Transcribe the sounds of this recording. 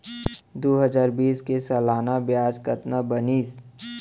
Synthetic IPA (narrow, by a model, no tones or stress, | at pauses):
d̪oːɦəzaːɾbiːskesɐlaːnabjaːd͡ʒkət̪nabəniːs